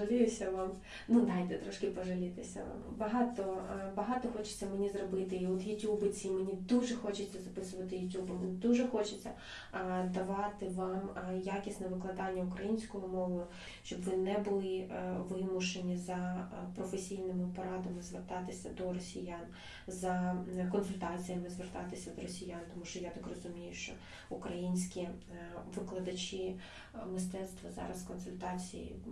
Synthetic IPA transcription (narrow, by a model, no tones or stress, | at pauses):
ɐlʲijʊsʲɐʋɑm | nud̪ɑjt̪ɛt̪ɾɔʃkɪpɔʒɐlʲɪt̪ɪsʲɐ̰ʋɑ̰mbɐɦɑt̪ɔbɐɦɑt̪ɔxɔt͡ʃe̥t͡sʲːɐmenʲizrɔbɪt̪ɪiɔt̪jʊtʲubɪt͡sʲimenʲid̪uʒɛxɔt͡ʃɪt͡sʲːɐzɐpɪsʊʋɐt̪ɪjʊtʲubʊʋɪnd̪uʒɛxɔt͡ʃɪt͡sʲːɐ | d̪ɐʋɑt̪ɪʋɑmjakʲisʲnɛʋɪklˠɐd̪ɑnʲːɐʊkɾɐjinʲsʲkɔɦɔmɔʋʊjʊ | ʃt͡ʃɔbʋɪnɛbʊlˠɪʋɪmʊʃenʲizɐpɾɔfesʲijnɪmɪpɔɾɑd̪ɐmɪzʋert̪ɑt̪ɪsʲɐd̪ɔɾɔsʲijan | zɐkɔnsʊlʲt̪ɑt͡sʲijɐmɪzʋert̪ɑt̪ɪsʲɐd̪ɔɾɔsʲijant̪ɔmuʃt͡ʃɔjat̪ɐkrɔzʊmʲijʊʃt͡ʃɔ | ʊkɾɐjinʲsʲkʲi | ʋɪklˠɐd̪ɐt͡ʃʲi | mɪst̪ɛt̪st̪ʋɐzɑ̰ɾɐskɔnsʊlʲt̪ɑt͡sʲḭjḭ